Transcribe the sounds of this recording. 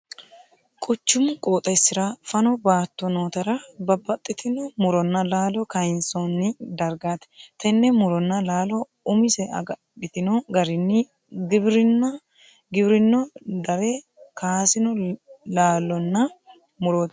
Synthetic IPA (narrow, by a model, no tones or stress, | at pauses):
kʼʊt͡ʃːʊmkʼoːt̪ʼɐsːɪɾɐfɐnɔbaːt̪ːɔnoːt̪ɐɾɐbɐbːɐt̪ʼːɪt̪ɪnɔmʊɾɔnːɐlaːlɔkɐjnsonːɪd̪ɐɾɡaːt̪ɛ̥t̪ɛnːɛmʊɾɔnːɐlaːlɔ | ʊmɪsɛɐ̰ɡ | bɪt̪ɪnɔɡɐɾɪnːɪ | ɡɪbɾɪnːɐ | ɡɪbɾɪnːɔd̪ɐɾɛ | kaːsɪnɔlaːlːɔnːɐ | mʊɾoːt̪